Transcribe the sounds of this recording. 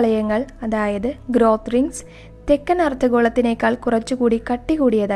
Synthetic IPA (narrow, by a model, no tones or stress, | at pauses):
ɭɐjɐŋːɐɭɐðaːjɐðɨɡɾoːt̪riŋɡs | t̪ekːɐnɐrt̪ʰːɐɣo̞ːɭɐt̪ːine̞kːaːɭkurɐt͡ɕːukuːɽikɐʈːikuːɽijɐðaː